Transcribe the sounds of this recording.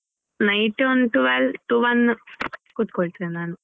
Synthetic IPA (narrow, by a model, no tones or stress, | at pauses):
nɐjʈonʈuʋɐlʈuʋɐn | kut̪̚koːɭʈ̪enaːnɨ